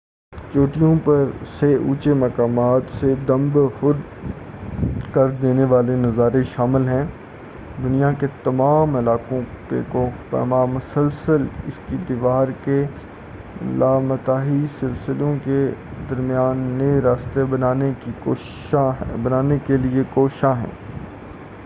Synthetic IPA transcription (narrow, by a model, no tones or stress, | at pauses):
t͡ʃoːʈijõpɐɾseʔṵːt͡ʃemɐkaːmaːt̪sed̪ɐ̃mbxʊd̪ | kɐɾd̪eːneʋaːlenɐzaːɾeʃaːmɪlɦɛ̃ː | d̪ʊnijaket̪ɐmaːmɪlaːkõkekopɛ̰maːmʊsəlsəlɪ̰skid̪ɪʋaːɾke | laːmɐt̪aːɦisɪlsɪlõked̪ɐɾmijaːnːeɾaːst̪ebɐnaːneio | abɐnaːnekeliekoːʃaɦɛ̰̃ː